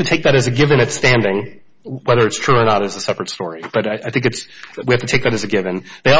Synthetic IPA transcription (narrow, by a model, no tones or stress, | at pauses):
tɨtʰeɪk̚ðɨɾɨzɨɡɪvɨ̃ñɨtstæ̃ndɪ̃ŋ | wɛðə˞ɨtstʰɹ̥ʉə˞nəɾɨzəsɛpɹɨtstɔɹib̥ʌɾaɪʔaɪθɪ̃ŋkɨtswihæftɨtʰeɪk̚ðɨɾɨzɨɡɪvɨ̃nðeɪ